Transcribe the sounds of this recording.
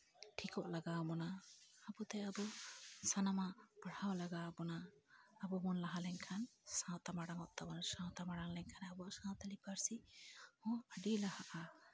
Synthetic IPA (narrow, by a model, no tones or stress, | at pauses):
ʈʰikɔʔlaɡawmɔnaːbut̪ɛabɔsanamapəɽ̤awlaɡabɔnaːbɔmɔnlaɦalɛɲkʰansãwt̪amaɽaŋɔʔt̪abɔnsãwt̪amaɽaŋlɛɲkʰanabɔaʔsãt̪alipaɾsihɔ̃aɖilahaʔa